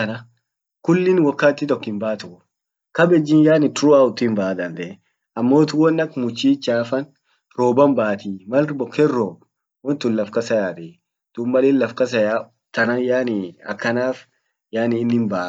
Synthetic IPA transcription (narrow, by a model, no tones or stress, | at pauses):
ɐnɐ | kʊlːɪnwɐkːaːt̪ːɪt̪ɔkːɪmbaːt̪ʊʊ | kɐbɛd͡ʒːɪnjaːnɪt̪ʊɾʊaʊt̪ːʊɪmbaʔad̪ɐnd̪ɛ | ɐmːo̞ːt̪ʊwɔnːɐkmʊt͡ʃːiːt͡ʃaːfɐn | ɾoːbɐmbaːt̪iːmɐlbɔkːɛrɾoːb | wɔnt̪ʊnlɐfkɐsɐjaːt̪ɛ | d̪̥ʊmːɐlɪːnlɐfkɐsɐjaː | t̪ɐnɐjaːnɪɐ̰kːɐnaːf | jaːnɪːnːɪmba